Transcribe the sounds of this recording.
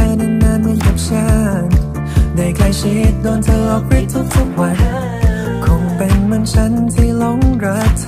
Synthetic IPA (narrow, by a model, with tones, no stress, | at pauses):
a˧na˧naː˧˥nmi˧˥nka˨˩p̚t͡ɕaː˧˥˩ŋ | daː˧˩jkʰlaː˧˩jt͡ɕʰi˦t̪̚doː˧nt̪ʰɤː˧ʔɔ˨˩p̚ɾi˦˥t̪̚t̪ʰu˦˥k̚t̪ʰu˦˥k̚wa˧n | kʰɔ˨˧˥ŋpe˨˧nmɯ˧nt͡ɕʰa˦˥nt̪ʰiː˧˩lɔ˧˥ŋɾa˦˥t̪ʰː